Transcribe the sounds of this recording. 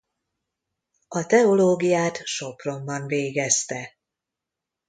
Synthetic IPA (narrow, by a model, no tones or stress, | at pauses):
ɒt̪ɛo̞loːɡijaːt̪ʃo̞pro̞mbɒnveːɡɛst̪ɛ